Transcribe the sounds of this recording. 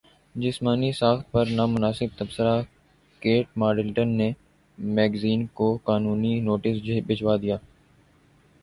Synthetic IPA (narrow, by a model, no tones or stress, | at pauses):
d͡ʒɪsmaːnisaːxt̪̚pɐɾnaːmʊnaːsɪb̚t̪əbsəɾaː | keːʈ̚maːɖɪlʈənːeː | mɛːɡziːnkokaːnuːninoːʈɪsd͡ʒbɪd͡ʒwaːd̪ijaː